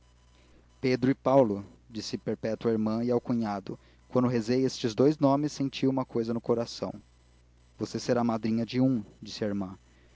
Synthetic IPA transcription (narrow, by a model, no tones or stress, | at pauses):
ped̪ɾʊɪpawlʊd͡ʒisɪpeɾpɛt̪ʊaiɾmɐ̃ɪawkũɲad̪ʊ | kwɐ̃nd̪ʊɦezejest͡ʃɪzd̪ojznõmɪsːẽnt͡ʃiũmɐkojzɐnʊkoɾasɐ̰̃w̃ | voseseɾamad̪ɾĩɲɐd͡ʒɪũd͡ʒisɪɐiɾmɐ̃